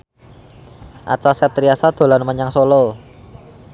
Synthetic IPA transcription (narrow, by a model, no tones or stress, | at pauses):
ʔa̰t͡ʃasɛp̚t̪ɾiasad̪̥o̤lanməɲaŋsolo